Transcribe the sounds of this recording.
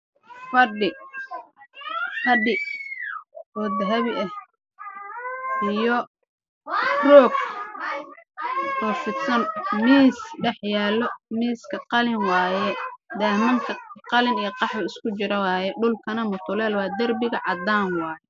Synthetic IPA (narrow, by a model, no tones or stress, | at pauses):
fɐɖɪ | fɐɖɪ | ɔːd̪ɐɦɐβɪʔɐh | ʔijɔ | rɔːɡ | ɔːfɪd̪sɐnmiːsɖɛħjaːlːɔmiːskʰɐqɑlɪnwɑːjɛd̪ɐːmɐŋkʰɐqɑlɪnijɔqɑħwɐɪskʰʊt͡ʃɪɾɐwɑːjɛɖʊlkʰɐnɐmʊt̪ʰʊlɛːlwɑːd̪ɐrbɪɣɐʕɑd̪aːnwɑːjɛ